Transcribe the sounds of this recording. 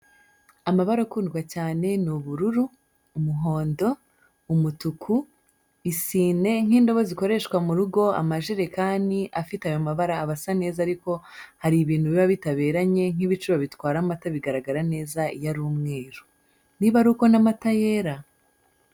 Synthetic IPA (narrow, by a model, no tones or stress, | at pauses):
amaβaɾakuːndɡwacaːne̞nuβuɾuɾuː | muɦo̞ːndo̞ | umutukʰu | isiːne̞ŋ̥iːndo̞βoziko̞ɾe̞ʃkwamuɾuɡo̞a̰maʒeɾe̞kaːndiʔafitajo̞maβaɾaːβasane̞ːzaːɾiko̞haɾiβiːn̥huβiβaβitaβe̞ːɾaɲe̞ŋ̥iβit͡ʃuβaβitwaːɾamataβiɡaɾaɡaɾane̞ːzaijaɾuːmŋe̞ːɾu | niβaɾuko̞namatajeɾa